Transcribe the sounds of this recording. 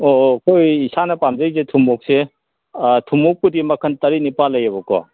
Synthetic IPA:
okojisanɐpamzɐjzetʰumuk̚se | tʰumuk̚kudimɐkʰɐntɐɾinipalːɐjɐbɔkɔ̰

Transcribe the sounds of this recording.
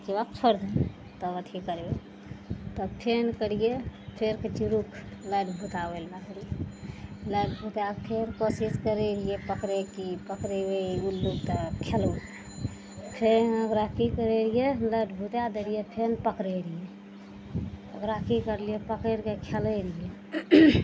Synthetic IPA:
d͡ʒebabt͡ʃʰəɾd̪ʱ | t̪ɔət̪ʰikəɾbe | t̪ɔpʰenkəɽijepʰeɾket͡ʃiɾukʰləʈbʱut̪abelmeɦɾi | ləʈbʱut̪apʰeɾkosiskəɾelijepəkɾekipəkɾebeulːukt̪ɔkʰelu | pʰenəɡɾakikəɾeɾijeləʈʰbʱut̪ad̪eɾijepʰenpəkɾeɾije | əɡɾakikəɾlijepəkeɾkekʰeleɾije

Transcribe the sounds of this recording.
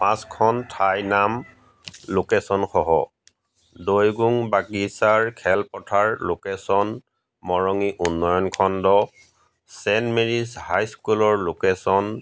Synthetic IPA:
pãskʰɔntʰajnam | lokesɔnxɔɦɔ̰ | dojɡuŋbakisaɹkʰɛlpɔtʰaɹlokesɔn | mɔɹɔŋiʔunːɔjɔnkʰɔndɔ | sɛnmeɹishajskulɔɹlokesɔn

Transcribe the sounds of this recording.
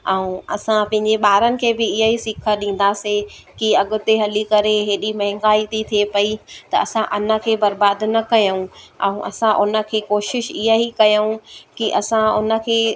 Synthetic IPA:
ɛ̃ũɐ̰sãpɐ̃ɦɪ̃ɲd͡ʑeɓaːɾənɪ̆kʰeːbɪɪɦəɦisɪkʰəɗĩːn̆d̪asẽkiɐɠʊ̆t̪eɦɐlikɐɾeɦeːɗimɐɦɪ̃ŋɡaːit̪ʰit̪ʰiepɐit̪ɐ̰ɐsãʔɐnə̆kʰeːbɐɾbaːd̪nɐkɐjəũɛ̃ũʔɐ̰sãʔʊnə̆kʰeːkoːʃɪʃɪɦəɦikɐjũkiʔɐsãʊnə̆kʰeː

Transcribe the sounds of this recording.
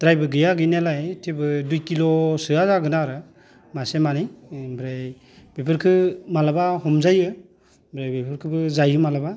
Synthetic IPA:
d̥ɾajbɯɡɯjaɡɯjnelajtʰebɯdujkilosɯazaɡɯnaɾɯ | masemanijbɾej | bepʰɯɾkʰɯmalabaɦɔmzajɯ | bɾajbepʰɯɾkʰɯbɯzajɯmalaba

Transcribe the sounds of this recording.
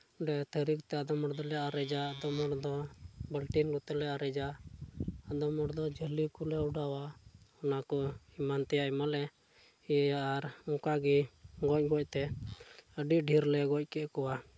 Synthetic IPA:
ɖɛt̪ʰəɾik̚t̪ɛad̪ɔmɔɽd̪ɔlɛaɾɛd͡ʒaːd̪ɔmɔɽd̪ɔbəlʈinlut̪ɛlɛaɾɛd͡ʒaː | d̪ɔmɔɽd̪ɔd͡ʒəlikulɛɔɖawahɔnakɔimant̪ɛjaimalɛ | ɛjaaɾɔkaɡiɡɔc̚ɡɔc̚ˀt̪ɛ | əɖiɖʱiɾlɛɡɔc̚ˀkɛʔkɔwa

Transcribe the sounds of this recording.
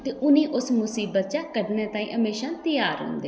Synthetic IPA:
t̪eːʔʊnĩːʔʊsmʊsiːbət̪t͡ʃaːkəɖnẽːt̪ãːḭ̃ːɦəmeːʃãːt̪əjaːɾɦʊ̰̃ːnd̪eː

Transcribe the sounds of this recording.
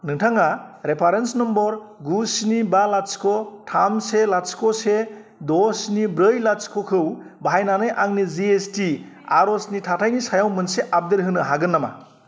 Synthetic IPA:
nɯŋtʰaŋaɾepʰaɾensnɔmbɔɾɡusnibalat͡ʃkʰɔtʰamselat͡ʃkʰɔse | dɔsnibɾɯjlat͡ʃkʰɔkʰɯw | baɦajnanɯjʔaŋniziesti | aɾɔsnitʰatʰajnisajawmɯnseʔap̚d̪eɾɦɯnɯɦaɡɯnːama̰

